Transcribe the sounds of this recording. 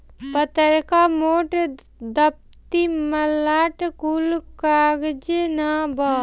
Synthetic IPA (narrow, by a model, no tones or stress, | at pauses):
pət̪əɾkamoːʈ | d̪əp̚ | t̪iməlaːʈkuːlkaːɡd͡ʒenaːbaː